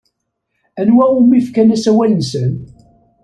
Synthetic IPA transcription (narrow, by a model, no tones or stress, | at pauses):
ænwæumifkænæsæwælənsən